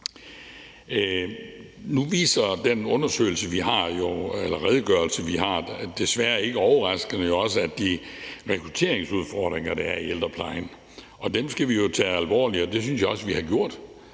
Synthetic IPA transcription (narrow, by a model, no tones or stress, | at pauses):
nuʋḭːsɐd̥enɔ̽nɐsø̰ːɪl̩səʋiɦɑ̈jo̝elɐʁɛðˠəɡ̥ɶɐlsəʋiɦɑ̈d̥e̝sʋæɐe̝ɡ̥əɒʊɐʁɑ̈sɡ̥̩əjo̝ɒ̽səæd̥iʁɛkʰʁut͡sʰe̝̰ːɐ̰eŋsuð̞ˠfɒːd̥ʁeŋɐd̥ɑæɐield̥ʁɐpʰlɑ̈ɪn | ʔɒ̽d̥emsɡ̥æʋijo̝t͡sʰɛːælʋɒ̰ːliɒ̽d̥e̝s̬ynsjɑ̈ɒ̽sʋihɑ̈ɡ̥jo̝ɐ̰d̥